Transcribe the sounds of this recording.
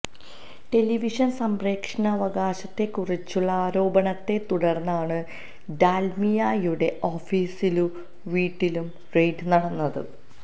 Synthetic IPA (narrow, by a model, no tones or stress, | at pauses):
ʈe̞liʋiʂɐnsɐmre̞ːkʂɐɳɐːʋɐɡaːɕɐt̪ːe̞kːurit͡ɕːuɭːɐaːɾo̞ːbɐɳɐt̪ːe̞t̪uɽɐrnːaːɳɨ | ɖ̪aːlmijajuɽe̞ʔo̞ːfiːsilu | ʋiːʈːilum | rejɖɨnɐɽɐnːɐðɨ̰